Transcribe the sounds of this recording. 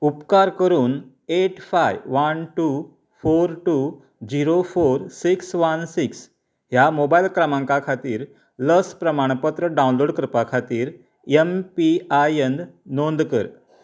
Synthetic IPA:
upkaɾkəɾuːn | eʈfajʋʋənʈu | foɾʈu | d͡ʑiɾofoɾsiksʋənsiks | ɦjamobailkɾəmãŋkakʰat̪iːɾ | ləspɾəmaɽ̃pət̪ɾəɖawũnloɽkɾəpakʰat̪iːɾ | empiajend̪nond̪kə̰ɾ

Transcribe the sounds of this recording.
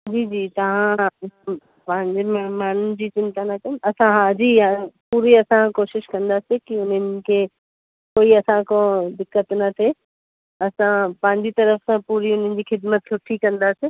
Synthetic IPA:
d͡ʑiːd͡ʑiːt̪ɐʋ̤ã | pɐ̃ɦɪ̃ɲd͡ʑemmaːn̤ʊnɪ̆d͡ʑiːt͡ɕɪ̃nt̪anɐkɐnɐsãɦad͡ʑipuːɾiɐsãkoːʃɪʃkɐ̃nd̪asekiʊn̤ənɪ̆kʰe | koːiɐsãkõd̪ɪkːət̪nɐt̪ʰe | ɐsãpɐ̃ɦɪ̃ɲd͡ʑit̪ɐɾəfsãpuːɾiʊn̤ənɪ̆d͡ʑiːxɪd̪mət̪sʰʊʈʰikɐ̃nd̪aseː

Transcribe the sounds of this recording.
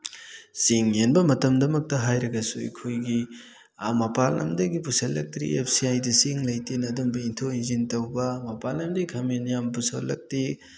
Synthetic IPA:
siŋenbɐmɐtɐmdɐmɐk̚tɐɦajɾɐɡɐsuḭkʰojɡi | amɐpalɐ̰mdɐɡipusɐlːɐk̚tɾḭḛpʰsiajdɐsiŋlɐjtenɐdumbɐintʰoinzintɐwbɐmɐpalnɐmdɐikʰɐmenjampusɐlːɐ̰k̚ti

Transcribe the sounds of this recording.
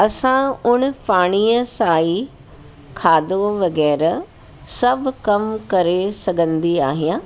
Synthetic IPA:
ɐsãʊɽ̃paːɽ̃iːəsaːi | kʰaːd̪oʋɐɣɛːɾ | sɐbʱkɐmkɐɾesɐɡʱə̃nd̪iaːɦijã

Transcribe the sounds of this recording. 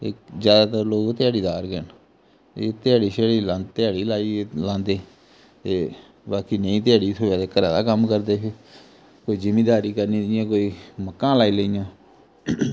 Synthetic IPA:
eːzjaːd̪aːt̪əɾloːɡt̪ɪjaːɽiːd̪aːɾɡən | eːt̪ɪjaːɽiːʃeːɽiːlãːnt̪ɪaːɽiːlaːiːlãːnd̪eː | t̪eː | baːkiːnəĩːt̪ɪjaːɽiːt̪ʰoːjaːd̪eːkəɾãːd̪aːkəmkəɾd̪eːseː | koːiːd͡ʒɪmẽːd̪aːɾiːkəɾniːdɪjãːkoːiːməkːãːlaːiːləijãː

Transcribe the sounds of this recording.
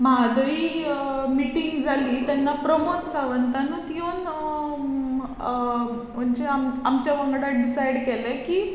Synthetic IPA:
mad̪ʱəi | miʈiŋɡd͡zʱaliːt̪anːapɾəmot̪saʋənt̪anũːt̪ijon | ənt͡ɕeamamt͡ɕjaʋəŋɡɽaɖisajɽkɛlɛ̃kiː

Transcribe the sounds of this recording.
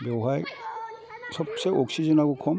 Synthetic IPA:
bɔwɦaj | sɔbseʔɔksizɔnakɔkʰɔm

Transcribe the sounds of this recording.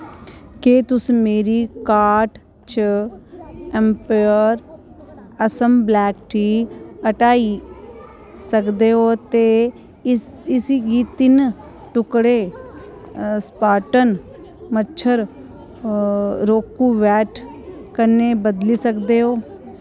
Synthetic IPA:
keːt̪ʊsmeːɾiːkaːɾʈ | t͡ʃə | ɛmpəəɾ | əsəmblɛːkʈʰiːəʈaːi | səkd̪eːɦoːt̪eː | ɪsiɡiːt̪ɪn | ʈʊkɽeː | spaːʈən | mət͡ʃʰəɾ | ɾoːkːũːʋɛːʈʰkəɾneːbəd̪liːsəkd̪eːɦoː

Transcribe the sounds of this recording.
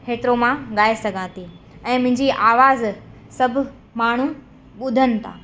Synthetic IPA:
xeːt̪ɾomãɠaːesɐɡʱãt̪i | ɛ̃ːmʊ̃ɦɪ̃ɲd͡ʑiʔaːʋaːz | sɐb̆ʱ | maːɳ̤u | ɓʊd̪ʱənɪ̆t̪ʰa̰ː

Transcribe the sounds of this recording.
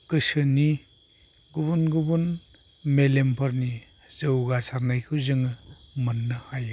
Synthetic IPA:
kɯsɯni | ɡubunɡubun | melempʰɐɾni | zɯwɡasaɾnajkʰɯwzɯŋɯ | mɐnːahaj

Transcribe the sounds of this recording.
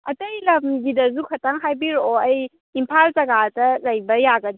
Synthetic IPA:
ɐtɐjlɐmɡidɐzukʰɐtaŋɦajbiɾoɐj | impʰalzɐɡadɐlɐjbɐjaɡɐdi

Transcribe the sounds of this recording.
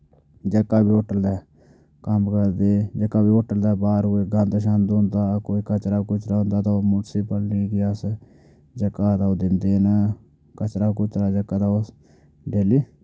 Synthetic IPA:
d͡ʒəkːaːbiːoːʈːəld̪aː | kəmkəɾd̪eːd͡ʒəkːaːbiːoːʈːəld̪aːbaːɾueːɡãːnd̪əʃaːnd̪ʊ̃nd̪aːkoːikət͡ʃɾaːkʊt͡ʃʰɾaːɦʊ̃nd̪aːt̪aomunsipəlɾiːɡias | d͡ʒəkːaːt̪aod̪ɪnd̪eːnə | kət͡ʃɾaːkʊt̪ɾaːd͡ʒəkːaːt̪aːo | ɖeːliː

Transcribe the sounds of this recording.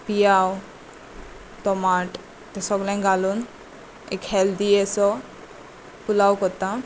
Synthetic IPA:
pijaw | t̪ɔmaʈ | t̪ɛsɔklɛnɡalun | ɛ̰kʰɛld̪iɛsɔ | pulawkɔt̪a

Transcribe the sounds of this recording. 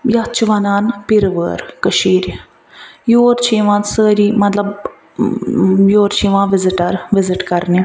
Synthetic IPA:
jatt͡ʃʰuʋɐnaːnpiɾʋəːɾkəʃiːɾʲi | joːɾt͡ʃʰiːʋãːsəːɾimɐt̪lɐb | joːɾt͡ʃʰiːʋãːʋɪziʈɐɾʋɪzɪʈkɐɾni

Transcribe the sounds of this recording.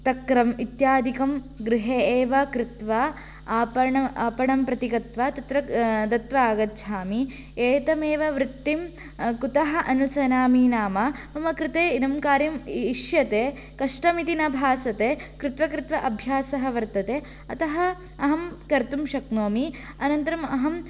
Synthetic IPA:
t̪ɐkɾɐmit̪jaːd̪ʱikɐm | ɡɾɪɦeːeːʋɐkɾɪt̪ʋɐː | pɐɳɐaːpɐɳɐmpɾɐt̪ikɐt̪ʋɐt̪ɐt̪ɾɐt̪ɐt̪ʋɐaːɡɐt̪ːʃʰaːmi | eːt̪ɐmeːʋɐʋɾɪt̪ːim | kut̪ɐɦɐ̆ʔɐnusɐnaːmiːnaːmɐmɐmɐkɾɪt̪eːinɐmkaːɾjɐmiʃjɐt̪eː | kɐʂʈɐmit̪inɐbʱaːsɐt̪eːkɾɪt̪ʋɐkɾɪt̪ʋɐʔɐbʱjaːsɐɦɐ̆ʋɐɾt̪ɐt̪eː | ɐt̪ɐɦɐ | ɐɦɐmkɐɾt̪umʃɐknoːmi | ɐnɐnt̪ɐɾɐmɐɦɐm

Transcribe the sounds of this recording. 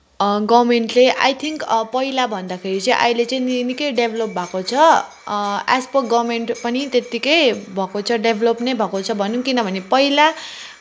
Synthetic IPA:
ɡʌmeɳʈleʔa̰jt̪ʰiŋkpʌjlabʱʌnd̪akʰeɾit͡sʌĩʔa̰jlet͡sʌ̃ĩnnikʌjɖebʱlop̚bʱakot͡sʰʌ | aspʌɡʌmeɳʈpʌnit̪et̪ikʌjbʱʌkot͡sʰʌɖebʱlopnʌjbʱʌkot͡sʰʌbʱʌnuŋkinʌbʱʌnepʌjla

